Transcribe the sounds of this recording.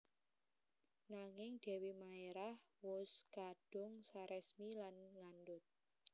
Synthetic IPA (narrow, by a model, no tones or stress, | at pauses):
naŋɪŋɖ̪̥ɛ̤wimaeɾahwʊskaɖ̥ʊŋsaɾɛsmilanŋanɖʊt̪̚